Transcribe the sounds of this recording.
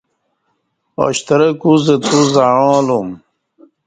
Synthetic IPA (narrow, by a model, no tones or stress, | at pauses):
o̰ɕt̪ɐɾɐkuzet̪uzaɻõːlum